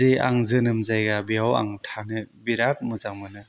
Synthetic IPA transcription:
ia̰ŋzɯnɯmzajɡabijawa̰ŋtʰanɯbiɾat̚mɯzaŋmɯnɯ

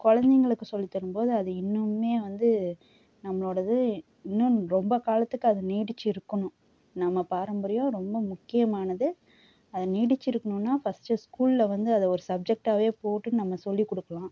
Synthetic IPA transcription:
kɔɻɐnd̪ɛŋɡɐɭɯkːɯsɔlːit̪ːɐɾɯmpoːðɯɐðɯɪnːɯmːeːʋɐnd̪ɯ | nɐmːɐɭoːɽɐðɯ | ɪnːʊ̃ɾɔmbɐkaːlɐt̪ːɯkːɯɐðɯniːɽɯt͡ʃːɪɾɯkːɐɳʊ̃ | nɐmːɐpaːɾɐmbɐɾɪjõɾɔmbɐmʊkːɪjɐmaːnɐðɯ | ɐðɐniːɽɯt͡ʃːɪɾɯkːɐɳʊ̃mnːaːfɐsʈɯskuːllɐʋɐnd̪ɯɐðɐɔɾɯsɐb̚d͡ʒɛk̚ʈaːʋeːpoːʈːɯnɐmːɐsɔlːikːɔɽɯkːɐɭãː

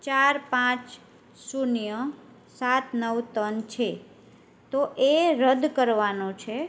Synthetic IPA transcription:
t͡ʃaɾpãt͡ʃ | sunijə | sat̪nəʋt̪ənt͡ʃʰe | t̪oʔeɾəd̪kəɾʋanot͡ʃʰe

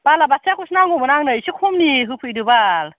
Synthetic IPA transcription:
b̥alabaseakʰusnaŋɔbɯnaŋnɯjsɯkʰumniɦɯpʰɯjdɯbal

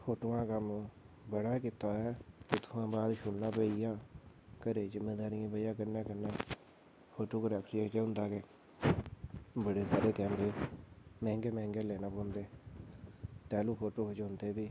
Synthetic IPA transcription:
fʰoːʈoːãːkəm | bəɽaːkɪt̪aːɛːʊt̪ʰːãːbaːd̪ʃʊnnːãːpəijãː | kəɾeːd͡ʒəmẽːd̪aːɾɪjãːpəjãːkəɾnãːkəɾnãː | fʰoːʈoːkəɾɛːkʈɾiakɛːʊnd̪aːkeː | bəɽeːsaːɾeːkɛ̃ːmbeːmɛ̃ːŋɡeːmɛ̃ːŋɡeːlɛːnãːpõːnd̪eː | t̪ɛːluːfʰoːʈoːkəd͡ʒoːnd̪eːbiː

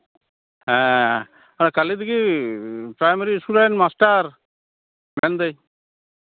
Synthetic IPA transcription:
ɦɛ̃ | aɾkalid̪iɡi | pɾajmaɾiːsuɾajnmasʈaɾ | mɛnd̪ɛj

